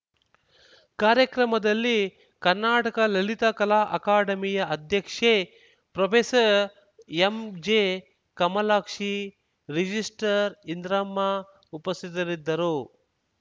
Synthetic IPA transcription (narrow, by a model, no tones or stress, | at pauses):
kaːɾjɐkɾɐmɐd̪ɐlːi | kɐɾnaːʈɐkɐlɐlit̪ɐkɐlaːʔɐkaːɖɐmijɐɐd̪ʱjɐkʂe | pɾɐpʰeːsɐɾ | emd͡ʒeː | kɐmɐlaːkʂi | ɾid͡ʒisʈɐɾind̪ɾɐmːa | upɐst̪it̪ɐɾid̪ːɐɾu